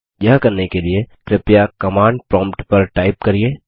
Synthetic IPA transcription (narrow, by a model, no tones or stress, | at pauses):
jakɐɾnekeliekɾɪpjakɐmãːɳɖ̚pɾɔ̃ːmpʈpɐɾʈaːɪp̚kɐɾieː